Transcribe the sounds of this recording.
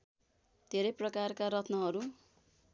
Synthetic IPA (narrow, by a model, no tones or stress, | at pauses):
d̪ʱeɾʌjprʌkarkaɾʌt̪ʰnʌɦʌɾu